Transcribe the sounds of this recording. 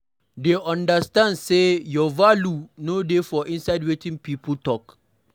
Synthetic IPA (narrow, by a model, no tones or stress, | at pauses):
deʔɔ̃ndɐstãndsejɔvalunodefɔʔɪ̃nsaɪdwetɪ̃ŋpiːputɔk